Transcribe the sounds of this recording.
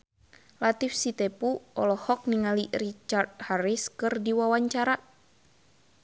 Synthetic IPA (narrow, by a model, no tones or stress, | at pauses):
lat̪ifsit̪ɛpuɔlɔhɔk̚niŋalirit͡ʃart̪̚haɾiskɨrdiwawaɲt͡ʃaɾa